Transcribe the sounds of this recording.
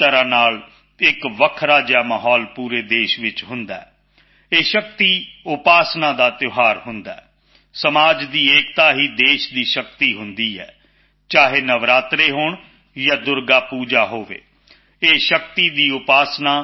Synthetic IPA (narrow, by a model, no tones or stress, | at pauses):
əɾãːnaːl | ɪkʋəkʰɾaːd͡ʒaːmaːɦɔːlpuːɾeːd̪eːʃʋɪt͡ʃɦʊ̃nd̪a̰ːɛː | eːʃək̚t̪iːʊpaːsnãːd̪aːt̪ɪoɦaːɾhʊ̃nd̪aɛː | səmaːd͡ʒd̪iːeːk̚t̪aːɦiːd̪eːʃd̪iːʃəkt̪iːɦʊnd̪iːɦɛ̰ː | t͡ʃaːɦeːnəʋɾaːt̪ɾeːɦʊɳ | jaːd̪ʊɾɡaːpuːd͡ʒaːɦoːʋḛː | eːʃəkt̪iːd̪iːʊpaːsnaː